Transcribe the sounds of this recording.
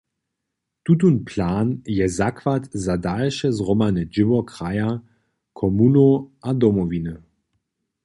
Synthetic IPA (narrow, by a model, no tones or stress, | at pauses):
t̪ut̬unpʰlaːnjɛzakvatzadalʃɛzʁɔmanɛd͡ʒɪvɔkʁaja | kʰɔmunoadɔmɔvinə